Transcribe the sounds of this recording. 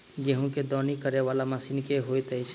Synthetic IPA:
ɡeɦõked̪ɔːnikəɾeʋaːlamɐsiːnkeɦoːet̪ɛɪt͡ʃ

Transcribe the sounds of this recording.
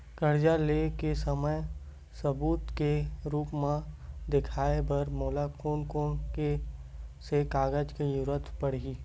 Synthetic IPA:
kəɾd͡ʒalekesəməj | səbuːt̪keɾuːpmãd̪ɪkʰaːebɐɾmoːlakoːnkoːnke | sekaːɡəd͡ʒkijʊɾət̪ʰpəɽɡiː

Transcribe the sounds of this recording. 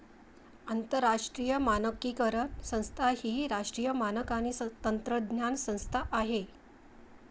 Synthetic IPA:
ənt̪əɾːaʂʈɾijəmanəkːiːkəɾənsə̃w̃st̪ʰahiːɾaʂʈɾiːjəmanəkanist̪ənt̪ɾəd̪njansə̃w̃st̪ʰaʔaɦe

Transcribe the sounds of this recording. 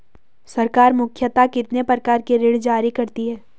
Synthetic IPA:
sɐɾkaːɾmʊkʰjət̪akɪt̪nepɾɐkaːɾkeɾeːɽd͡ʒaːɾikɐɾt̪iɦɛː

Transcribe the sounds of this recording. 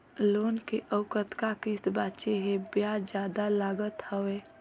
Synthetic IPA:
loːnkeʔəʊkət̪kakɪsbaːt͡ʃeɦẽbjaːd͡ʒjaːd̪alaːɡət̪həweː

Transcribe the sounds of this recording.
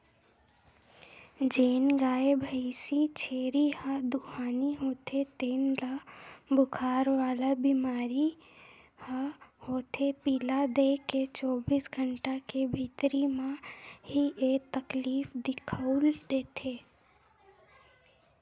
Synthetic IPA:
d͡ʒeːnɡaːebʱəisit͡ʃʰeːɾihad̪uhaːniɦoːt̪ʰet̪eːnlabʊkʰaːɾʋaːlabimaːɾi | hahoːt̪ʰepiːlad̪eket͡ʃɔːbiːsɡʱəɳʈakebʱiːt̪ɾimãɦiʔeːt̪əkliːfd̪ɪkʰəld̪eːt̪ʰeː

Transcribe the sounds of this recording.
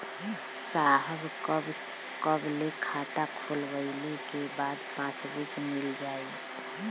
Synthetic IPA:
saɦəbkəbskəblekʰat̪akʰolbəɪlekebaːd̪pasbikmɪld͡ʒaːi

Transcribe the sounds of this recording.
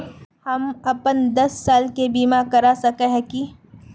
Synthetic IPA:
hɐmɐpənd̪ɐsːaːlkebiːmakɐɾasɐkeɦɛ̃ki

